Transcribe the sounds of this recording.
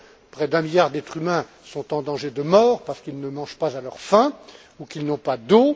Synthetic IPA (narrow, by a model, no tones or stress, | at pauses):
pχɛd̪ɛ̃miljaʁd̪ɛt̪χymɛ̃ | sɔ̃t̪ɑ̃d̪ɑ̃ʒed̪əmɔːʁpaʁsə̥kilnəmɑ̃ʒpazalœʁfɛ̃ | ukilnɔ̃pad̪o